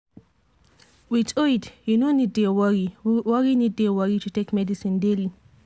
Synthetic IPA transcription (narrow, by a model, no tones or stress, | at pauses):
witʰoitjunoniddewʌɹiwʌɹinid̚dewʌɹitutekmɛdisĩndeli